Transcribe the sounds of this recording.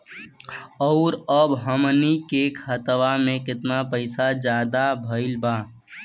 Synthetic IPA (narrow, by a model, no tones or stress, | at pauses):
ɔʊɾəbɦəmnikekhət̪ʋamẽkɪt̪napəɪsad͡ʒjaːd̪abʱəɪlba